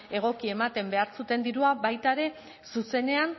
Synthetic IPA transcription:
e̞ɣ̞o̞kie̞mat̪e̞mbe̞aɾsut̪e̞nd̪iɾuabajt̪aeɾe̞ | suse̞ne̞an

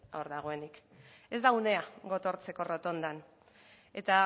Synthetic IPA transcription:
oɾðaɣ̞oe̞nik | e̞zd̪aune̞aɣo̞t̪o̞ɾt͡se̞ko̞rot̪o̞nd̪an | e̞t̪a

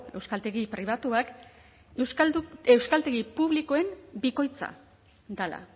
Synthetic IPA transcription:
e̞wskalt̪e̞ɣipɾiβ̞at̪uak | ewsue̞wskalt̪e̞ɣipuβliko̞e̞mbiko̞jt͡sa̰ | d̪ala̰

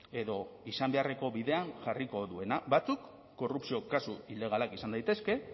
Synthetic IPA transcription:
e̞ðo̞isambe̞are̞ko̞βiðe̞anʝariko̞ðue̞naβat͡sukː | o̞rupsio̞kasuile̞ɣ̞alakisand̪ajt̪e̞ske̞

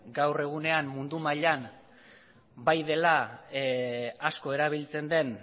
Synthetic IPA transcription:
ɡawre̞ɣ̞une̞ammund̪umaʎan | bajðe̞la | asko̞e̞ɾaβ̞ilt͡se̞nd̪e̞n

